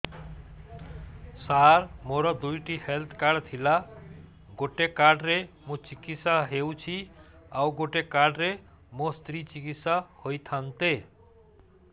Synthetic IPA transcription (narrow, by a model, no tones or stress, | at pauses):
saɾmoɾʌd̪ujʈihelt̪ʰkaɖt̪ʰila | ɡoʈekaɖɾe | mũt͡sikit̪saɦewt͡sʰiawɡoʈekaɖɾe | most̪ɾit͡sikit̪sahojt̪ʰant̪e